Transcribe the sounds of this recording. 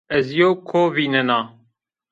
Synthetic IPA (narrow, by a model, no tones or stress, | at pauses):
ɛzijoːkʰoːβiːnənɑː